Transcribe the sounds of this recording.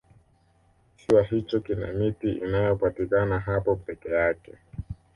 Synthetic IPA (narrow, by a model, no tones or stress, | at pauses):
siwaɦit͡ʃɔkina̰mitiʔḭnajɔpatikanaɦapɔpɛkɛjakɛ